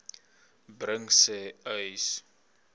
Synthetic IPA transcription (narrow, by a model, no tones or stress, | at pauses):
brəŋsɛœɥs